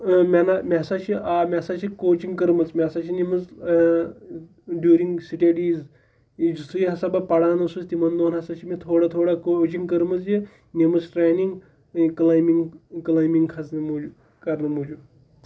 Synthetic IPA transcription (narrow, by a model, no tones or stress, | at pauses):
mʲanamʲesat͡ʃiʔamʲasat͡ʃikoːt͡ʃiŋɡkəɾmɐt͡smʲasat͡ʃʰinemɐt͡s | ɖjuːɾiŋɡsiʈeɖiːz | d͡ʒust̪ʰujiɦɐsabapɐɽaːnɐsust̪imɐnd̪oːnɦɐsat͡ʃʰimit̪ʰoːɽat̪ʰoɽakot͡ʃiŋɡkəɾmət͡sje | nemət͡sʈɾajniŋɡ | klaːjmiŋɡklaːjmiŋɡkʰɐt͡snɐmod͡ʒu | kɐɾnɨmod͡ʒu